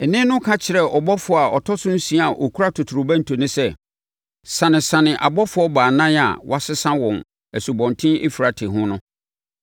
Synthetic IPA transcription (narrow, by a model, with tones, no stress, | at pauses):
ɛ˨nɪ̃˦nʊ̃˦kʰã˦t͡ɕʰɪ˨ɾɛ˦ɔ˨bɔ˦fʊ˨˦˨a˨ɔ˨tʰɔ˦sʊ̃˦n̩˦sĩ˦a˨ʔo˨kʰu˦ɾa˦tʰʊ˨tʰu˨ɾʊ˨bæ̃˦n̩˨tʰo˨nɪ̃˦sɛ˦ | sã˨nɪ̃˨sã˨nɪ̃˨ʔa˨bɔ˦fʊ˨˦ɔ˦baː˨nã˦n˦a̰˨wa˦sɪ˦sã˦wɔ̃˨n | æ˨su˨bɔ̃˨ntʰɪ̃˦ḛ˦fi˨ɾa˨tʰɪ˨ɦʊ̃˦nʊ̃˦